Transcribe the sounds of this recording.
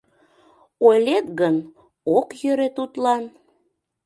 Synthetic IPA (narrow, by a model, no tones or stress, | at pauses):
ojlet̪ɣən | okjøɾet̪ut̪lɑn